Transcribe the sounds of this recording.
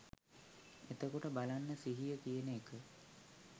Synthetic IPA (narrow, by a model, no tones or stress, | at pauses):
et̪əkoʈəbalanːəsiɦijəkijənəekʰə